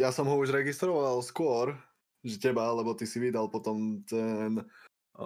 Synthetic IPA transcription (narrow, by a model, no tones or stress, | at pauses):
jasɔmɦɔuʒɾɛɡist̪ɾɔʋalˠskʊɔɾ | ʒɛcɛbalɛbɔt̪isiʋid̪alˠpɔt̪ɔmt̪ɛn